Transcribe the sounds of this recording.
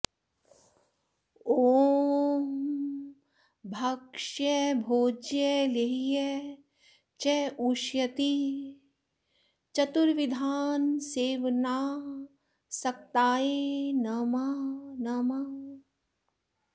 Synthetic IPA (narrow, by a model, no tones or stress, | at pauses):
oː | m | bʱɐkʃjəbʱoːd͡ʒjəleɦijɛ | t͡ʃɛuʃjɐt̪i | t͡ʃɐt̪uɾʋɪd̪ʱaːnseːʋnaː | sɐk̚t̪aːenɐmanɐmɐ